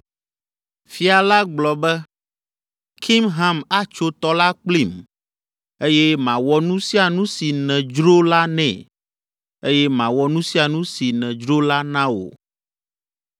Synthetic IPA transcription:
fi˨a˨la˦ɡ͡blɔ˨bɛ˦ | kʰi˦mɦã˦ma˦t͡ʃo˦t̪ɔ˦la˦k͡pli˦˨m | e˦jɛ˦mã˨wɔ˦nũ˦si˦a˨nũ˦si˨nɛ̃˨d͡ʒɾo˦la˦nɛ̰̃˨ | e˦jɛ˦mã˨wɔ˦nũ˦si˦a˨nũ˦si˨nɛ̃˨d͡ʒɾo˦la˦nã˦wo̰˨

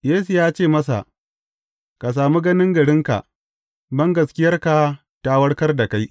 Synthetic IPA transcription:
jeː˦su˨jaː˦t͡ʃeː˦˨mɐ˦sa̰˨ʔ | ka˨s̬aː˨mu˦ɡɐ˦nɪ˦ŋɡɐ˨ɽɪ˦ŋka̰˨ʔ | bɐ˦ŋɡɐ˨skʲɪ˦jɐ˦rka˨ | ta˨wɐ˦ɽkɐ˦rda˨ka˦j

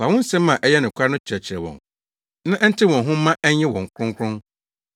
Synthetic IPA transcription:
fa˨wɔ̃˦n̩˦sɛ̃˦mː˦ã˨ʔɛ˦jɛ˦nʊ̃˨kʷʰa˦nʊ̃˦t͡ɕʰɪ˨ɾɛ˨t͡ɕʰɪ˨ɾɛ˨wɔ̰̃˨n | nã˦ʔɛ˦n̩˦tʰɪ˦wɔ̃˨nɦʊ̃˦m̩ː˦ã˦ʔɛ˦ɲ˦jɪ̃˦wɔ̃˨ŋ̩˨kʰɾʊ̃˦ŋ˦kʰɾʊ̃˦n

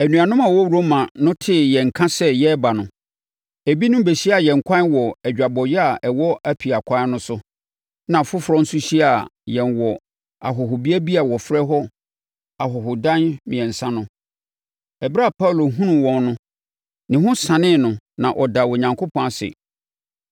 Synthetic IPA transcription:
æ˨nũ˨a˨nʊ̃˦mã˨wɔ˦ɾo˦mã˨nʊ̃˦tʰɪ˦jɛ̃˨ŋ̩˨kʰã˦sɛ˦jɛ˦ba˨nʊ̃˨ | e˨bi˦nʊ̃˦be˨ɕi˦a˨jɛ̃˨ŋ̩˨kʷʰã˦nwɔ˨ɛ˨d͡ʑᶣa˨bɔ˨jɛ˦a˨ʔɛ˨wɔ˦ʔæ˦pʰi˨a˨kʷʰã˦nʊ̃˦sʊ˦ | nã˨fʊ˦fɾɔ̃˦n̩˦sʊ˦ɕi˦a˨jɛ̃˨nwɔ˨ | a̰˨ɦɔ˨ɦʊ˨bi˦æ˦bi˦a˨wɔ˨fɾɛ˦ɦɔ˦ | a˨ɦɔ˨ɦʊ˨dã˦nmĩ˨ɛ̃˨n̩˨sã˦nʊ̃˦ | ɛ˨bɾa˦˨pʰa˦u˨lo˨ɦũ˦nũ˨wɔ̃˨nnʊ̃˦ | nɪ̃˨ɦʊ̃˦sã˨nɪ̃˦˨nʊ̃˨nã˨ʔɔ˨da˨wɔ˨ɲã˨ŋkʰo˦pʰɔ̃˨˦a˨sɪ̰˨

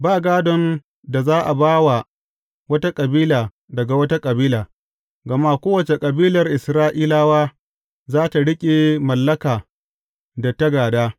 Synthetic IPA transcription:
baː˦˨ɡaː˦dɔ˦n | da˨zaː˦ʔa˨baː˦wa˨ | wɐ˦ta˦kʼɐ˨biː˦laː˨ | dɐ˨ɡa˨wɐ˦ta˦kʼɐ˨biː˦laː˨ | ɡɐ˨ma˦kʷoː˦wɐ˨t͡ʃe˨kʼɐ˨biː˦lɐ˨rʔɪ˨sɾaː˦ʔiː˦laː˦waː˦ | zaː˦ta˨ɽɪ˦kʲʼe˨mɐ˨lːɐ˦kaː˨ | da˨tɐ˦ɡaː˨daː˦

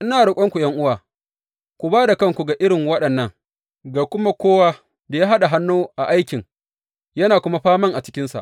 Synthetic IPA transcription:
ʔɪ˦naː˨ɽʊ˨kʷʼɐ˦ŋkʷu˨jɐ˦ŋʔʊ˦waː˨ | kʷu˨baː˦da˨kɐ˦ŋkʷu˨ɡa˨ʔɪ˦ɽɪ˨ŋwɐ˦ɗɐ˨nːɐ˦ŋ | ɡaː˨kʷʊ˦ma˦kʷoː˦waː˦ | da˨jaː˦ɦa˦ɗa˨ɦa˦nːoː˦ʔa˨ʔa˦jkʲɪ˨ŋ | jɐ˦naː˨kʷʊ˦ma˦ɸaː˦mɐ˦ŋʔa˨t͡ʃɪ̥˦kʲɪ˦nsa̰˨ʔ

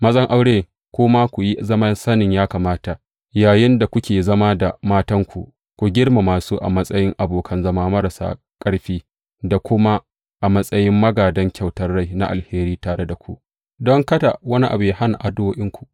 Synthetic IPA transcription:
mɐ˦zɐ˦ŋʔa˦wɽeː˦ | kʷoː˦ma˦kʷu˨ji˦zɐ˦mɐ˦nsɐ˦nɪ˨ɲjaː˦kaː˨maː˦ta˨ʔ | jaː˨jɪ˦nda˨kʷʊ˦kʲeː˨zɐ˦ma˦da˨maː˦tɐ˦ŋkʷu˨ʔ | kʷu˨ɡʲɪ˦ɽma˨maː˨suː˦ʔa̰˨mɐ˦sʼɐ˦jɪ˦ŋʔa˨boː˨kʰɐ˦nzɐ˦maː˦mɐ˦ɾa˨sa̰ː˦ | kʼɐ˦ɽɸiː˦ | da˨kʷʊ˦ma˦ | ʔa˨mɐ˦sʼɐ˦jɪ˦mːɐ˦ɡaː˨dɐ˦ŋkʲa˨wtɐ˦rːa˦jna̰˦ʔa˨lheː˦ɾiː˦taː˨ɽe˦da˨kʷṵ˦ʔ | dɔ˦ŋkɐ˦da˨wɐ˦ni˦ʔa̰˨bu˨jaː˦ha˦na̰˨ʔa˨dʊ˦woː˦ʔɪ˦ŋkʷu˨ʔ

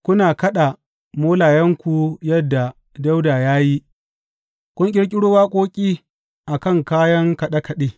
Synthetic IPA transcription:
kʷʊ˦naː˨kɐ˦ɗa˨ | moː˦laː˨jɐ˦ŋkʷu˨jɐ˦dːa˨ | da˦wda˨jaː˦ji˦ | kʷʊ˦ŋk̬ʲʼɪ˦ɽkʲʼɪ˦ɽʊ˦waː˦kʷʼoː˦kʲʼiː˦ | ʔa˨kɐ˦˨ŋkaː˦jɐ˦ŋkɐ˨ɗɐ˦kɐ˨ɗeː˦

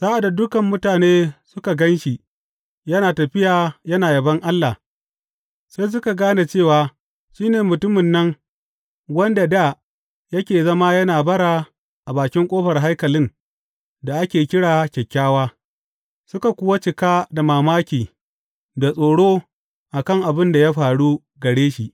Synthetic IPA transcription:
z̥aː˦ʔa˨da˨dʊ˦kɐ˨mːʊ˦taː˨neː˦sʊ˦ka˨ɡɐ˦nʃi˨ | jɐ˦naː˨tɐ˨ɸɪ˦jaː˨jɐ˦naː˨jɐ˨bɐ˦ŋʔa˦lːa˨ | sa˦js̬ʊ˦ka˨ɡaː˦na˨t͡ʃeː˦˨waː˨ | ʃiː˦neː˨mʊ˨tʊ˦mɪ˨nːɐ˦ŋ | wɐ˦nda˨da˦˨ | jɐ˦kʲeː˨zɐ˦ma˦jɐ˦naː˨bɐ˦ɽa˨ | ʔa˨baː˨kʲɪ˦ŋkʷʼoː˦ɸɐ˨rɦa˦jkɐ˨lɪ˦n | da˨ʔa˦kʲeː˨kʲɪ˦ɽaː˨kʲɛ˨kʲːaː˦waː˦ | sʊ˦ka˨kʷʊ˦wa˦t͡ʃɪ˨kaː˦da˨maː˨maː˦kʲiː˨ | da˨sʼoː˨ɽoː˦ | ʔa˨kɐ˦˨ŋʔa˨bɪ˦nda˨ja˦ɸaː˨ɽu˦ | ɡɐ˨ɽeː˦ʃḭ˨ʔ

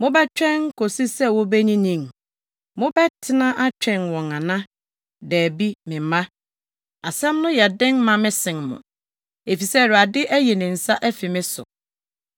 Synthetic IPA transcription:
mʊ̃˦bɛ˦t͡ɕᶣɛ̃˦ŋkʰo˨si˦sɛ˦wɔ˦bɛ˦ɲĩ˦nĩ˨m | mʊ̃˦bɛ˦tʰɪ˦nã˦ʔa˦t͡ɕᶣɛ̃˨nwɔ̃˨ŋã˨nã˦ | dɛː˨bi˦mɪ̃˨mã˦ | a˨sɛ̃˦mnʊ̃˦jɛ˨dɪ̃˦nmã˦mɪ̃˦sɪ̃˨nmʊ̰̃˨ | e˨fi˨sɛ˦˨ɾa˨dɪ˦ʔæ˦je˨nɪ̃˨n̩˨sa˦ʔæ˦fi˨mɪ̃˦sʊ̰˨

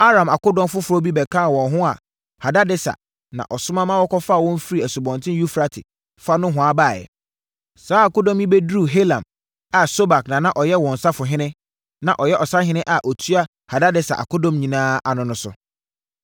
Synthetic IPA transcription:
a˦ɾã˨ma˨kʊ˦dɔ̃˦m˦fʊ˦fʊ˨ɾɔ˦bi˦bɛ˨kʰãː˦˨wɔ̃˨nɦʊ̃˦a̰˨ | ha˨da˦dɪ˦sa̰˨ | nã̰˨ʔɔ˨sʊ̃˦mã˦mã˦wɔ˦kɔ˦fa˦˨wɔ̃˦m̩˦fi˦ɾi˨æ˨su˨bɔ̃˨ntʰɪ̃˦ju˦fɾa˦tʰɪ̰˨ | fa˦nʊ̃˦ɦʊ̃˨a˦baː˦˨jɛ̰˨ | saː˨˦a˨kʊ˦dɔ̃˦mjĩ˦be˦dɾu˦˨ɦe˦lã̰˨m | a˨so˦ba˨knã˨nã˨ʔɔ˨jɛ˦wɔ̃˨n̩˨sa˦fʊ˨ɦɪ̃˦nɪ̃˦ | nã˨ʔɔ˨jɛ˦ʔɔ˨sa˦ɦɪ̃˦nɪ̃˦ʔa˨ʔɔ˨tʰu˦a˦ | ha˨da˦dɪ˦sa̰˨ʔa̰˨ko˦dɔ̃˦mɲĩ˨nãː˦a˨nʊ̃˦nʊ̃˦sʊ̰˨

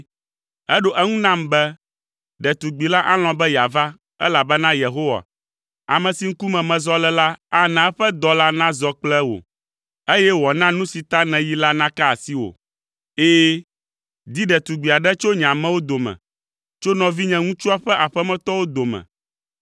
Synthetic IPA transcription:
ɛ˦ɖo˦ʔɛ˦ŋũ˦nã˦mbɛ˦ | ɖɛ˨t̪u˨ɡ͡bi˨la˦ʔa˦l̃ɔ̃˨bɛ˦ja˨va˦ | ɛ̰˦la˨bɛ˦nã˦je˨ɦo˦wa̰˨ | a̰˨mɛ̃˨si˨ŋ̩˦ku˦mɛ̃˨mɛ̃˨zɔ˦lɛ˦la˦a˦nã˨˦ɸɛ˦d̪ɔ˨la˦nã˦zɔ˦k͡plɛ˦wo̰˨ | e˦jɛ˦wɔ˨nã˦nũ˦si˨t̪a˦nɛ̃˨ji˦la˦nã˦ka˦˨si˦wo̰˨ | eː˦ | d̪i˦ɖɛ˨t̪u˨ɡ͡bi˨a˨ɖɛ˦t͡ʃo˦ɲã˨mɛ̃˦wo˦d̪o˨mɛ̰̃˨ | t͡ʃo˦nɔ̃˨vi˦ɲɛ̃˨ŋũ˦t͡ʃu˦a˦ɸɛ˦ʔa˨ɸɛ˦mɛ̃˦t̪ɔ˦wo˦d̪o˨mɛ̰̃˨

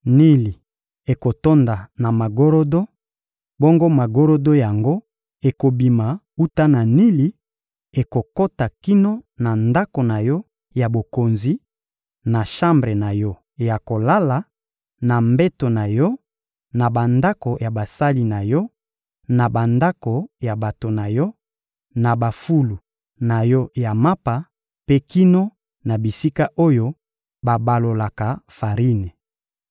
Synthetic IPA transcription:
ni˦li˨ | e˨ko˨to˦nda˨na˨ma˨ɡo˦ɾo˦do˦ | bo˦ŋɡo˦ma˨ɡo˦ɾo˦do˦ja˨ŋɡo˦ | e˨ko˨bi˨ma˨ | u˦ta˦na˨ni˦li˨ | e˨ko˨ko˦ta˨ki˦no˦na˨nda˦ko˨na˨jɔ˦ | ja˨bo˨ko˨nzi˦ | na˨ʃã˦mbʁe˨na˨jɔ˦˨ | ja˨ko˨la˦la˨ | na˨mbɛ˦to˨na˨jɔ˦ | na˨ba˨nda˦ko˨ja˨ba˨sa˦li˦na˨jɔ˦ | na˨ba˨nda˦ko˨ja˨ba˨to˨na˨jɔ˦ | na˨ba˨fu˦lu˨ | na˨jɔ˦ja˨ma˦pa˨ | pe˦ki˦no˦ | na˨bi˨si˦ka˦ʔo˦jo˦ | ba˨ba˨lo˨la˨ka˨fa˨ʁi˦ne˨

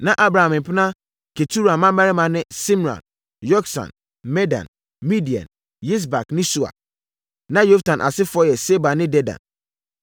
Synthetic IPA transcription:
nã˨ʔa˦bɾa˨hã˨m˨m̩˨pʰɪ˦nã˦ | kʰe˨tʰu˦ɾa˨mã˦mɛ˦ɾɪ˦mã˨nɪ̃˦sĩ˦m˨ɾã̰˨n | jɔ˦ksã̰˨n | mɛ˦dã̰˨n | mĩ˦di˨ã̰˨n | ji˦s̬ba˨knɪ̃˦su˨a̰˨ | nã˦jo˦ftʰã˨nʔa̰˨sɪ˦fɔ˦jɛ˨se˦ba˨nɪ̃˦dɛ˦dã̰˨n

